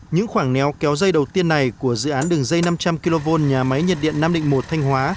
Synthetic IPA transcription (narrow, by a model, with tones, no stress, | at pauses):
ɲɨ̰˧˥ŋxwaː˧˩ŋnɛ˨˦wkɛ˨˦wzə˧jɗə˨˩wt̪i˧ənːa˨˩jku˧˩əzɨ̰˧˨ʔaː˨˦nɗɨ˨˩əŋzə˧jna˧mt͡ɕa˧mki˧lo˧vo˧nɲaː˨˩ma˨˦jɲə˨˩t̚ɗḭ˧˨ənːaː˧mɗḭ˧˨ŋ̟mo˨˩t̚t̪ʰa˧jŋ̟hwaː˨˦